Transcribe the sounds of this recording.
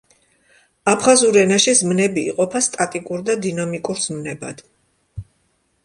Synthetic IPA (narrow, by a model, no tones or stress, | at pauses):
apʰχazuɾɛnaʃizmnɛbḭːqʼɔpʰast̪ʼat̪ʼikʼuɾd̪ad̪inamikʼuɾz̥mnɛbad̪̥